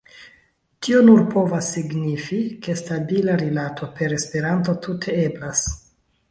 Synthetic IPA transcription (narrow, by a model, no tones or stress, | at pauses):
tʰionuɾpo̞vasːiɡnifike̞stabilaɾilatʰo̞pe̞ɾe̞spe̞ɾanto̞tʰutʰe̞eblas